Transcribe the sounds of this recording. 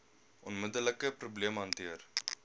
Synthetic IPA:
ʔɔnmədələkəpɾubliəmɦɐntiər

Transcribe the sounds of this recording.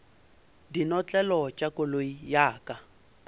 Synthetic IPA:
dinɔt͡ɬʼɛlɔt͡ʃʼakʊloijaːkʼa

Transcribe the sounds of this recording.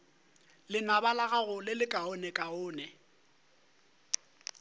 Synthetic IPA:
lɪnabalaɣaɣʊlɪlɪkʼaʊnɛkʼaʊːnɛ

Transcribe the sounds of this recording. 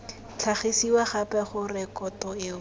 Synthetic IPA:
t͡ɬʰaχesiwaχapɛχʊrɪkɔtɔɪʊ

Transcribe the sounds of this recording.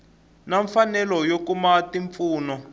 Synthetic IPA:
naɱfanɛlɔjokumatiɱp̪fuːnɔ

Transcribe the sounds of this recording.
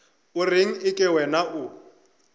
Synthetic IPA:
ʊrɪŋ̩ɪkʼɪwɛnaʔʊ

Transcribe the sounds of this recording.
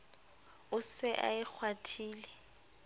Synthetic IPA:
ʊsɪʔa̰ɪk͡xʰwatʰiːlɛ

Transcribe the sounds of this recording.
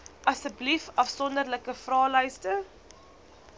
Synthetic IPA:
ʔɐsəblifɐfsɔndərləkəfrɑːləjstə

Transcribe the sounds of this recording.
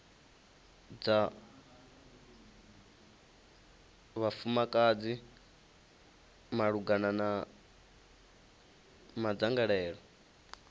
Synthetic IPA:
d͡za | βafumakʼad͡zi | maɺuɡanana | mad͡zaŋɡaɺɛːɺɔ

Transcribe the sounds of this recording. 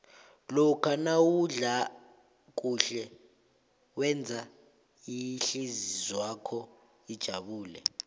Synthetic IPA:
lɔkʰanawuɮa | k̬ʼuɬɛ | wɛnd͡zʱa | iɬizizwakʰɔ | id̥ʒ̥ʱaɓuːlɛ̰

